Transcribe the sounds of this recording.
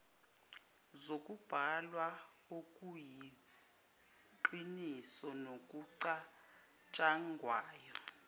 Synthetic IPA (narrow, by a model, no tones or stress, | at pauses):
zokʼub̥ʱalwa | okʼuji | ǃinisɔnokʼuǀa | t͡ʃʼaŋɡʱwaːjɔ